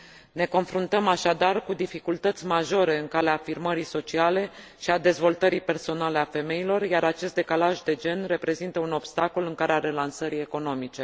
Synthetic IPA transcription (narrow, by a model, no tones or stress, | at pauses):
ne̞ko̞nfɾunt̪əmaʃad̪arkud̪ifikult̪ət̪sʲmaʒo̞ɾe̞ɨŋkaleafirməɾiso̞t͡ʃiale̞ | ʃiad̪e̞zvo̞lt̪əɾipe̞rso̞nale̞afe̞me̞ilo̞rjaɾat͡ʃe̞st̪d̪e̞kalaʒd̪e̞d͡ʒe̞nre̞pɾe̞zint̪əuno̞bst̪ako̞lɨŋkaɾeaɾe̞lansəɾie̞ko̞no̞mit͡ʃe̞